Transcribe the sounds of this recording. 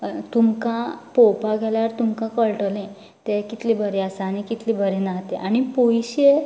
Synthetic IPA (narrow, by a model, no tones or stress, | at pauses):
t̪umkãpowpaɡʱɛlaɾt̪umkãkəɭʈəlẽ | t̪ɛkit̪libʱəɾeasañikit̪libʱəɾẽnaɦt̪eʔañipojɕe